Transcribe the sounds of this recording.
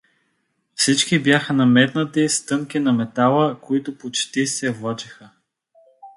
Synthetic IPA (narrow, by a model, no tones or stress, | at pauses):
fsit͡ʃkibjaxənɐmɛt̪nət̪ist̪ɤŋkinɐmɛt̪alˠəkoit̪ʊpot͡ʃt̪isɛvlˠɔt͡ʃi̥xə